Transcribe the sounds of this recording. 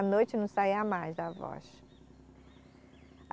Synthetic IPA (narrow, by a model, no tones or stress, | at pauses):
nojt͡ʃɪnɐ̃w̃saiɐmajzd̪ɐvɔ̰ʃ